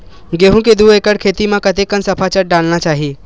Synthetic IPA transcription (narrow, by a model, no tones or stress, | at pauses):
ɡeːɦũked̪uːeːkəɽkʰeːt̪imãkɐt̪ekːənsɐpʰat͡ʃəʈ̚ɖaːlnat͡ʃaːɦi